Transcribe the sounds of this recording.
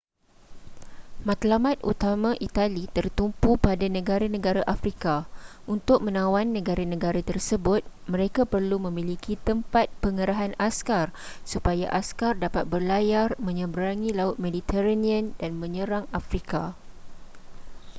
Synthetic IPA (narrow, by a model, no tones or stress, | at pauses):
mãt̪lamãt̪̚ʔṵt̪amãʔit̪alit̪ərt̪umpupadanə̃ɡaɾanə̃ɡaɾaʔafɾikaunt̪ʊk̚mə̃nãwanːə̃ɡaɾanə̃ɡaɾat̪ərsəbʊt̪̚mə̃ɾekapərlumə̃mĩlikʰit̪əmpat̪̚pəŋəɾaɦanaskarsupajaʔaskardapat̪̚bərlajarmə̃ɲə̃mbəɾaŋĩlaʊt̪̚medit̪ɛɾaniə̃ndanmə̃ɲəɾaŋafɾika